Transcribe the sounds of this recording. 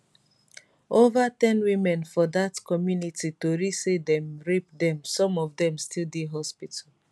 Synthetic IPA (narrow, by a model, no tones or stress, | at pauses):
ovatɛ̃nwimɛ̃nfɔdatkɔmjunititoɾisidɛ̃mɹipdɛ̃msɔ̃mɔvdɛ̃mstildeɦɔspital